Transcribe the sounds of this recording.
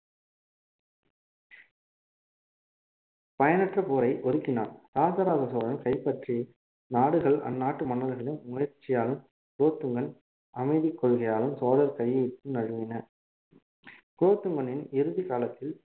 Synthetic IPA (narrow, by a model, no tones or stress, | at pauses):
pɐjɐnɐʈrɐpoːɾɐɪʔɔðɯkːɪnaːnt̪aːsɐɾaːɣɐsoːɾɐnkɐɪpːɐʈri | naːɽɯɣɐɭʔɐ̰nːaːʈːɯmɐɳːɐlɐɣɐɭɪnmʊjɐɾt͡ʃːɪjaːlɯm | kɾoːt̪ːɯŋɡɐn | ʔɐmɐɪðɪkːɔɭɣɐjaːlɯmsoːðɐɾkɐjːɐɪp̪ːɯnɐɻɯʋɪnɐ | kɾoːt̪ːɯŋɡɐnɪnɪɾɯðikaːlɐt̪ːɪl